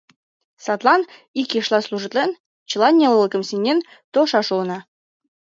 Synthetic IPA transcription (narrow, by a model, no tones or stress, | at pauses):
sɑt̪lˠɑnikeʃlɑsluʒə̆t̪len | t͡ɕɤ̆lɑnʲelɤlˠəkəmsinʲːen | t̪oʃɑʃonɑ